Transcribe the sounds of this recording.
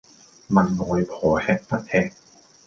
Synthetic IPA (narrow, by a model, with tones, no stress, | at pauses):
ma˧˩nŋɔː˨˧jpʰɔː˨˦hɛː˧˥k̚t̪ɐ˦˥t̚hɛː˧k̚